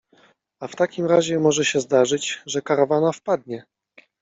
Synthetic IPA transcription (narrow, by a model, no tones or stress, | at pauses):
aft̪akʲimɾaʑɛmɔʐɛɕɛzd̪aʐɘd͡ʑʐɛkaɾavanafpad̪̚ɲɛ